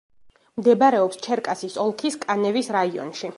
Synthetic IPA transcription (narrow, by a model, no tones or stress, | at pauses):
md̪ɛbaɾɛɔpst͡ʃʰɛɾkʼasisɔlˠkʰiskʼanɛvisɾaiɔ̰nʃi